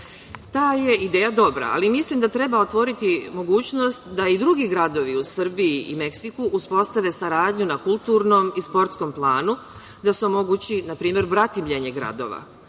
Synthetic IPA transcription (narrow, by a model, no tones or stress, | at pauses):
t̪aːje̞id̪eːjad̪o̞bɾa̰a̰limislimd̪at̪ɾe̞baot̪ʋo̞ɾit̪imo̞ɡuːt͡ɕno̞st̪d̪aid̪ɾuɡiɡɾad̪o̞ʋiusr̩biiʔḭme̞ksikuʔuspo̞st̪aʋe̞saɾaːd̪ɲunakulˠt̪uːɾnomispo̞ɾt̪sko̞mplˠaːnu | d̪asuomo̞ɡut͡ɕinapɾiːmʲje̞ɾbɾat̪imʎeɲe̞ɡɾa̰d̪o̞̰ʋa̰